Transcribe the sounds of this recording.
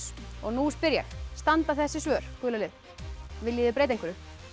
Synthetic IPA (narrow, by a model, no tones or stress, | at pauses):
ɔɣnuspɪɾja̰xst̪ant̪aθɛsːɪsvœːɾ̥kʏːlalɪð | vɪðliːðɪp̬ɾeːjt̪̬ejŋkʏɾʏ